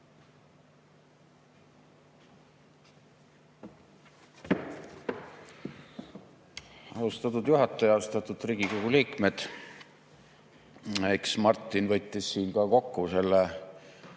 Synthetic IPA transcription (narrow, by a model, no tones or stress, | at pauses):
ɑust̪ɑt̪̬ud̪̥juɦɑt̪ːˑɑjɑlust̪ɑt̪ːˑud̪riːɡ̥ikoɡ̥uliːkme̞d̪̥ | eksmɑrt̪ˑːinvɤ̞t̪ːˑisːiːnkɑko̞kːuse̞lːe